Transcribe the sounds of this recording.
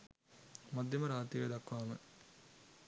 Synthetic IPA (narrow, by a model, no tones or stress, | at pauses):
mad̪ʱjɐməɾaːt̪ɾiʋəd̪akːʋaːmə̰